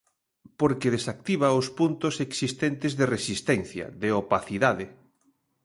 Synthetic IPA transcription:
poɾkeð̞esak̚t̪iβ̞aospunt̪oseksist̪ent̪ɪzðeresist̪ɛn̟θjɐ̰ðeopaθiðaðe

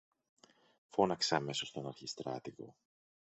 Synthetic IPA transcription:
fo̞nɐkseɐme̞so̞st̪o̞nɐɾçist̪ɾɐ̰t̪iɣo̞̰

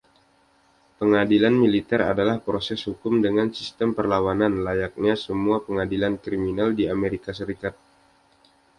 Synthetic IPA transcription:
pəŋadilanmilit̪ɛɾa̰dalahpɾosɛshukʊmdəŋansist̪əmpərlawananlajak̚ɲasəmuapəŋadilankɾiminaldiameɾikasəɾikat̪̚

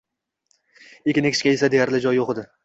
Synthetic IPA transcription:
ekʲɪnɪkʰʲɪ̥t͡ʃkʲajesad̪e̞jaɾlɪd͡ʒɒjoχɨd̪ɪ

